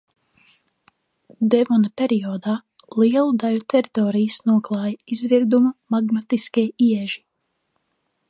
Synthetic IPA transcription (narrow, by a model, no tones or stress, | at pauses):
d̪ɛvɔnapʲeɾijɔːd̪aːlˠiɛlˠud̪alut̪ʰɛɾit̪ɔːɾijɨsnuɔklˠɑːjaizviɾd̪umumaɡmat̪iskʲijiɛʒi